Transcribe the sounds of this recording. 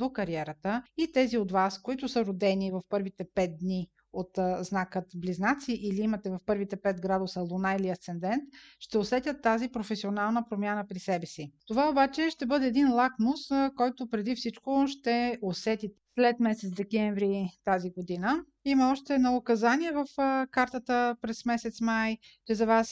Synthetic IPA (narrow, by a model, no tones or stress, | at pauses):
d̪okɐɾiɛɾət̪əit̪ɛziot̪vaskoit̪ʊsəɾod̪ɛnivɐfpɤɾvit̪ɛpɛt̪̚d̪ni | ot̪znakət̪bliznat̪siʔiliimɐt̪ɛvɐfpɤɾvit̪ɛpɛt̪ɡɾad̪ʊsəlˠonailiɐst̪sɛnd̪ɛnt̪ʃt̪ɛosɛt̪ʲjət̪ːazipɾofɛsionalˠnəpɾomʲjanəpɾisɛbɛsit̪ovaobat͡ʃɛʃt̪ɛbɤd̪ɛːd̪inlˠaknoskɔjt̪opɾɛd̪ifsit͡ʃkoʃt̪ɛosɛt̪it̪ɛslɛt̪mɛsɛt̪sd̪ɛkɛɱvɾit̪aziɡod̪inə | iməɔʃt̪ɛnookɐzaniɛvəfkaɾt̪ət̪əpɾɛsmɛsɛt̪smaj | t͡ʃɛzɐvas